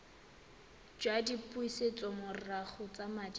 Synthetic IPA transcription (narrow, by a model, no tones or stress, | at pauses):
d͡ʒwadipʼuiset͡sʼɔmʊrraχʊt͡sʼamad͡ʒ